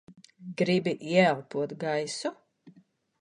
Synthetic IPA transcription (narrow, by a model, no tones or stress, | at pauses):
ɡɾibiʔiɛalˠpuɔt̪ɡajsu